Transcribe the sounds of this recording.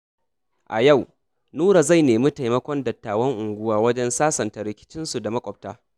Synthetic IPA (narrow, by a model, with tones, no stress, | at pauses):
ʔa˨ja˦˨w | nuː˦ɾa˨za˦˨jneː˨mi˦ta˨jmɐ˦kʷɔ˦ndɐ˨tːaː˨wɐ˦ŋʔʊ˨ŋɡʷʊ˦waː˦wɐ˦d͡ʒɛ˦nsaː˦sɐ˨nta˨ɾɪ˨kʲɪ̥˦t͡ʃɪ˦nsu˨da˨mɐ˦kʷʼɔ˨b̚taː˦